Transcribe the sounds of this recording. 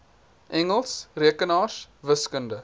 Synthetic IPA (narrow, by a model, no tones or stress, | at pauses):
ʔɛŋəlˠsriəkənɑːsvəskəndə